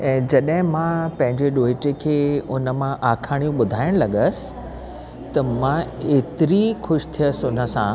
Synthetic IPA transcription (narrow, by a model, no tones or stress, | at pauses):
ɛ̃ːd͡ʑɐɗɦɪ̃mãpɐ̃ɦɪ̃ɲd͡ʑeɗoːɪʈekʰeːʊnə̆mãʔaːkʰaːɽ̃jũɓʊd̪ʱaːɪəɽ̃lɐɠəsɪ̥̆ | t̪ɐmãeːt̪ɪɾixʊʃt̪ʰijəsʊnə̆sã̰